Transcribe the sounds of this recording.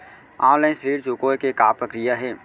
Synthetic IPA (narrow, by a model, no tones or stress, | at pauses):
ãːləɪnsəɾiːɾt͡ʃukoːjkekaːpɾəkɾijaɦɛː